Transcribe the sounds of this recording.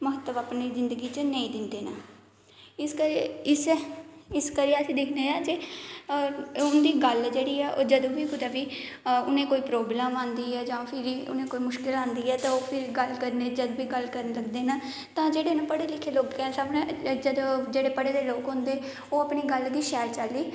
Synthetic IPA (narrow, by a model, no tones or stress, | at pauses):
məɦət̪ːəʋaːpniːzɪnd̪əɡiːt͡ʃənəĩːd̪ɪnd̪eːnaː | ɪskəɾɪs | ɪskəɾiəsĩːd̪ɪkʰneːãːd͡ʒe | ʊnd̪iːɡəld͡ʒeːɽiːɛːʔoːd͡ʒəd̪õːʋiːkʊd̪aːʋiː | ʊnẽːkoːiːpɾoːblɛːmãːnd̪iːɛːd͡ʒãːpʰɪɾiːʊ̰nẽːkoːiːmʊʃkɪlãːnd̪iːɛːt̪ãːoːpʰɪɾɡəlkəɾneːd͡ʒəd̪biːɡəlkəɾnləɡd̪eːnaː | t̪ãːd͡ʒeːɽeːnãːpəɽeːlɪkʰːeːloːkkɛːsabnãd͡ʒəd̪od͡ʒeːɽeːpəɽeːd̪eːloːkɦʊ̃nd̪eː | oːəpɳiːɡəld̪iːʃɛːɾt͡ʃaliː